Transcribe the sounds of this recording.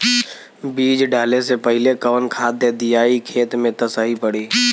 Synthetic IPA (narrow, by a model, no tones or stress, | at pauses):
biːd͡ʒɖaːlesepəɦɪlekəʋənkʰaːd̪jəd̪ɪjaːikʰeːt̪mẽt̪əsəɦipəɽiː